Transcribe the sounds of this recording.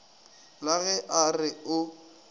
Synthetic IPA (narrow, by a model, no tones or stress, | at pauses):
laɣɛʔarɪʊ